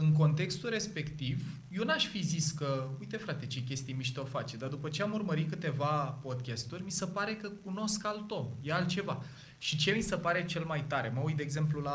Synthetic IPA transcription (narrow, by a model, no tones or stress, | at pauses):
ɨŋk̬o̞nt̪e̞kst̪ulɾe̞spe̞kt̪iv | jenaʃfiziskəujt̪e̞fɾat̪e̞t͡ʃek̬ʲe̞st̪ijmiʃt̪eo̞fat͡ʃed̪ad̪upət͡ʃe̞amurməɾit̪̚kɨt̪e̞vapo̞d̪̚kʲast̪urʲmisəpaɾe̞kəkuno̞skalt̪o̞jealt͡ʃe̞va | ʃit͡ʃe̞misəpaɾe̞t͡ʃe̞lmajt̪aɾe̞məujd̪eːɡzemplula